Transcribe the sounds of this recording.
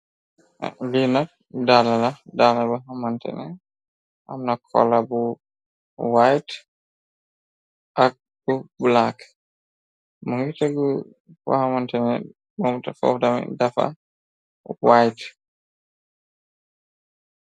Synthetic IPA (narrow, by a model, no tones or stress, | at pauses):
linap̚ | dalaladalabaɦamantɛ̰nɛ | ʔamnakʰɔ̰labu | wajt | ʔak̚ | bubulak | muŋɡitaɡu | fɔ̰hamantɛnɛ | mɔmtafɔ̰fdamɛ̰dafa̰ | wajt